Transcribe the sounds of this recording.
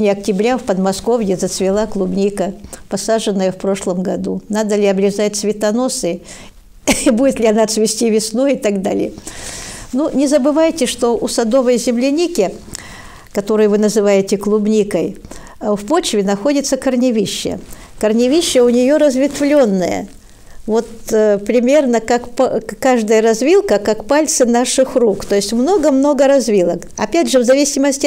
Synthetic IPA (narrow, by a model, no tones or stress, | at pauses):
nʲɪɐktʲɪbɾʲafpəd̪mɐsko̞vjɪzət̪svʲɪlˠaklˠʊbnʲikəpɐsaʐɨnːəjəfpɾoʂlˠəmɡɐd̪unad̪əlʲɪɐbɾʲɪzat̚ʲt̪svʲɪt̪ɐno̞sɨ | ibudʲɪt̪lʲɪɐnat̪svʲɪsʲtʲivʲɪsnojɪt̪ɐɡd̪a̰lʲɪ̰jə | nunʲɪzəbɨvajɪtʲɪʂt̪o̞ʔʊsɐd̪o̞vəjzʲɪmlʲɪnʲikʲɪ | kɐt̪o̞ɾɨjvɨnəzɨvajɪtʲɪklˠʊbnʲikəj | fpo̞t͡ɕvʲɪnɐxo̞dʲɪt̪səkərnʲɪvʲiɕːə̰ | kərnʲɪvʲiɕːəʊnʲɪjo̞ɾəzvʲɪt̪vlʲo̞nːəjə̰ | vo̞t̪pɾʲɪmʲernəkakpkaʐd̪əjəɾɐzvʲilˠkəkakpalʲt̪sɨnaʂɨxrukt̪o̞jɪsʲtʲmno̞ɡəmno̞ɡəɾɐzvʲilˠəkɐpʲædʲʐɨvzɐvʲisʲɪməsʲtʲ